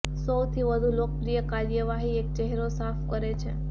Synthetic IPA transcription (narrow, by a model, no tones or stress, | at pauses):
səwt̪ʰiʋəd̪ʱulok̚pɾijəkaɾjəʋaɦiek̚t͡ʃɛɦɾosafʰkəɾet͡ʃʰḛ